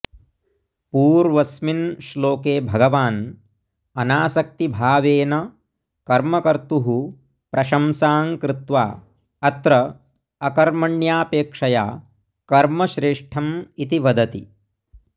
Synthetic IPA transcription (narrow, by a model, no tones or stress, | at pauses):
puːɾʋɐsminʃloːkeːbʱɐɡɐʋaːn | ɐnaːsɐk̚t̪ibʱaːʋeːnɐ | kɐɾmɐkɐɾt̪uɦu | pɾɐʃɐmsaːŋkɾɪt̪ʋa̰ː | ɐt̪ɾɐ | ɐkɐɾmɐɳjaːpeːkʂɐja̰ː | kɐɾmɐʃɾeːʂʈʰɐmit̪iʋɐd̪ɐt̪ḭ